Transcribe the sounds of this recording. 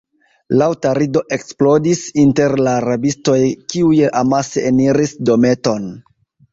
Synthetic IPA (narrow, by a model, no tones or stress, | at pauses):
lawtaɾido̞ʔe̞ksplo̞disinte̞ɾlaɾabisto̞jkiujʔamaseːniɾisdo̞me̞to̞n